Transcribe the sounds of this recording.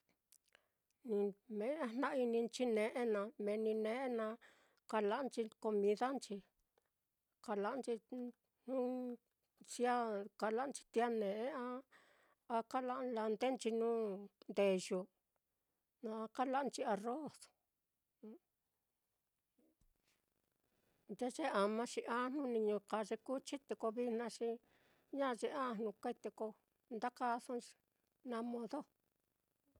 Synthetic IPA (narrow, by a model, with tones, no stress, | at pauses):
nĩ˧mẽ˨˦ã˧nnã˦ʔi˧nĩ˧nt͡ʃi˦nẽ˧ʔe˦nã˧mẽ˨nĩ˧nẽ˧˦ʔe˦nã˧ | ka˧la˧˦ʔt͡ʃi˧ko˧mĩ˧ða˦nt͡ʃi˧ | ka˧la˧ʔnt͡ʃi˧ | nũ˦ | t͡ʃi˦a˦ka˧la˦ʔnt͡ʃi̥˧t̪i˧a˦nẽ˨ʔe˦ã˦ | a˧ka˦la˦ʔla˧nd̪e˦nt͡ʃi˧nũ˦nd̪e˧˨ʒu˧ | nã˧a˧ka˦la˦˧nt͡ʃi˧a˧ro˦˨s | nd̪e˦ʐe˦a˨mã˧ʃi˧ʔã˦˧n̥nũ˧nĩ˧ɲũ˧ka˧ʐe˧ku˦t͡ʃi˦t̪e˧ko˧βi˧n̥nã˧ʃĩ˧ | ɲã˦˧ʐe˧ã˦˧˨n̥nũ˧kʷe˦t̪e˧ko˧ | nd̪a˦ka˦˧sõ˦i̥˧ | nã˧˦mõ˧ðo˦˧